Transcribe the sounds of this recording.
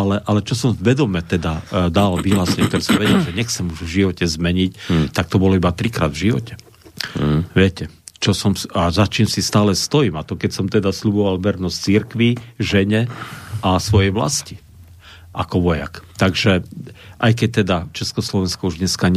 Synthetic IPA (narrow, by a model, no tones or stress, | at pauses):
alɛʔalɛt͡ʃɔsɔmvʋɛd̪ɔmɛt̪ɛd̪ad̪alʋiɦlaːsɛɲɛk̚t̪ɔɾɛsɔmʋɛɟɛlʒɛɲɛxt͡sɛmuʒvʒiʋɔcɛzmɛɲict̪ak̚t̪ɔbɔlɔibat̪ɾikɾa̰ːd̪vʒiʋɔ̰cɛ̥ | ʋɪɛcɛ | t͡ʃɔsɔmazat͡ʃiːmsist̪aːlɛst̪ɔjiːmat̪ɔkɛcsɔmt̪ɛd̪asʎubɔʋalʋɛɾnɔsct͡siɾkʋiʒɛɲɛʔasʋɔjɛjʋla̰sci | ʔakɔʋɔja̰kt̪aɡʒɛʔajkɛc̚t̪ɛd̪at͡ʃɛskɔslɔʋɛnskɔuʒɲɛskaɲ